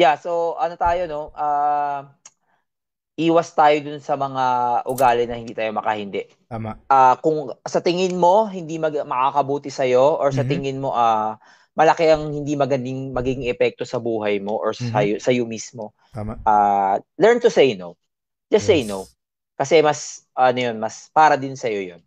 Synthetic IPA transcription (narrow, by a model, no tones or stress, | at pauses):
jaso̞ʔɐnot̪aːjo̞no̞ʔaː | ʔiːwɐst̪aːjo̞d̪ʊnsɐmɐŋaʔʊɡaːlɪnɐhɪnd̪iːt̪aːjo̞mɐkɐhɪnd̪ɛʔ | ʔaːkʊŋsɐt̪ɪŋɪnmo̞ɦɪnd̪imɐmɐkakɐbuːt̪ɪsɐjo̞ʔoɹsɐt̪ɪŋɪnmo̞ʔa | mɐlɐkɛʔɐŋhɪnd̪imɐɡɐnd̪ɪŋmɐɡiɡɪŋɛpɛk̚t̪o̞sɐbuːɦɐjmo̞ʔoɹsɐjosɐjomismo̞ | ʔaːlɛɹnt̪ʊsejnow | d͡ʒɐssejnow | kɐsɛmɐsʔɐnojo̞nmɐspaːɾɐd̪ɪnsɐjojon